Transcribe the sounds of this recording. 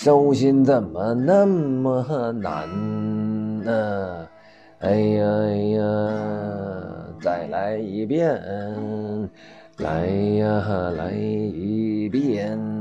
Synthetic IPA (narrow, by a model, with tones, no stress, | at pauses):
ʂo˥ʊɕi˥nt͡sə˨˩nmə˦na˥˩mmə˧ə˧na̰˧˥n | ə˧ | e˧ɪə˧ə˧ | t͡sa˨˩ɪla˧˥ɪi˧˥pjɛ˥˩ | la̰˧˥˦ɪ˧ə˧˩la̰˧˥ɪi˧˥pjɛ˥˩n